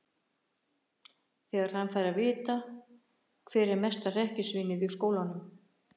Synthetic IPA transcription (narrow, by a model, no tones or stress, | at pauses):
θɛːɣaɾ̥hanfajɾavɪːt̪a | kʰvɛːɾɛɾmɛst̪arɛhcɪsviːnɪðʏskoːwlanʏm